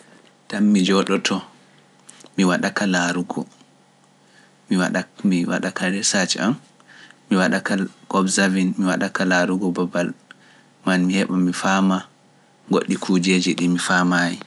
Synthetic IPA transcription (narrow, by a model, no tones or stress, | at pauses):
tamːid͡ʒɔɗɔtʰɔ | miwaɗakalaɾuɡɔ̰ | miwaamiwa̰ɗakʰaɾɛsat͡ʃa̰m | miwaɗakaɡ̥ɔbzavinmiwaɗakalaɾuɡɔbabal | manmihɛɓamifaːma | ɡoɗːikʰud͡ʒed͡ʒiɗimifamaji